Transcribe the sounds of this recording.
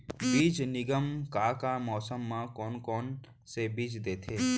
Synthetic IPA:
biːd͡ʒnɪɡəmkaːkamɔːsəmːãkɔːnkɔːn | sebiːd͡ʒd̪eːt̪ʰeː

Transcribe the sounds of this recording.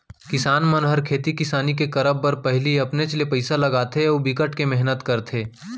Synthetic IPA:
kɪsaːnmɐnɦəɾkʰeːt̪ikɪsaːnik̬ekɐɾəbːɐɾpɛɦliɐpnet͡ʃlepɐɪsalɐɡaːt̪ʰeoːbikəʈkemɛɦnət̪kɐɾt̪ʰeː

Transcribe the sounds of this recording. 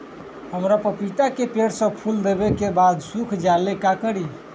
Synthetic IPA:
həmɾapəpit̪akepeɽsə̃pʰuld̪ebekebad̪sukʰd͡ʒalekakəɽi

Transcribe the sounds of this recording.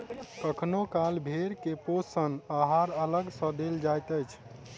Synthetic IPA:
kəkʰnokalbʱeɾkeposənaɦaɾələɡsə̃d̪eld͡ʒajt̪əjt͡ʃʰ

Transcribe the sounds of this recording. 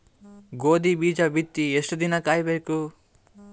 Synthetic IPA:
ɡoːd̪ibiːd͡ʒɐʋit̪ːiesʈud̪inɐkaːjbeːku

